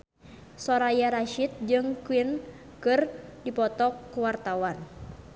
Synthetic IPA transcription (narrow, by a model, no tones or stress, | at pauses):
sɔɾajaɾaʃit̪̚d͡ʒɨŋkwin | kɨrdipɔt̪ɔkːuwart̪awan